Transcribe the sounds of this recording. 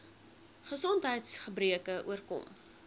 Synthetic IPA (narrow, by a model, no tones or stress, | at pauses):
χəsɔntɦəjtsχəbriəkəʔṵərkɔ̰m